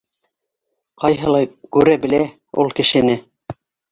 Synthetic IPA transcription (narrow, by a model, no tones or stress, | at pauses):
qɑjɦɤ̆lˠɑjkʉɾæbɘ̆læ | ṵlˠkɘ̆ʃɘ̆nɘ